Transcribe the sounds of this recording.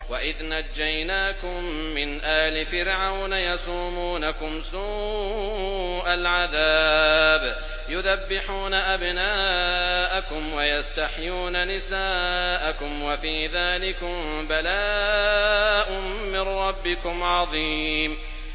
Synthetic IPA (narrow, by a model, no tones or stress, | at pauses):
waʔɪðnad͡ʒːajnaːkʊmː | ɪnʔaːhlɪfɪɾʕawnajɑsuːmuːnakʊmsuː | ʔalʕaðaːb | jʊðabːɪħuːnaʔabnaːʔakʊmwajast̪aħjuːnanɪsaːʔakʊmwafiːðaːlɪkʊm | balaː | ʔʊː | ɪnɾɑbːɪkʊmʕɑðˤiːm